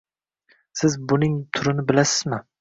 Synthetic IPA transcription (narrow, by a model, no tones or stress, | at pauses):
sɪzbʊnɪŋt̪ʰʊɾɪnɪbɪlasɪzmɪ